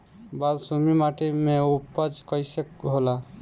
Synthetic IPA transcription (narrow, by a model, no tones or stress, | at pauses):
balsumimaʈemeupəd͡ʒkəjsəkbʱola